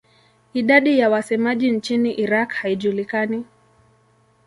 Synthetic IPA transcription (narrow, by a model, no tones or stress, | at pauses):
iɗaɗijawasɛmaʄint͡ʃiniʔiɾakhaiʄulikani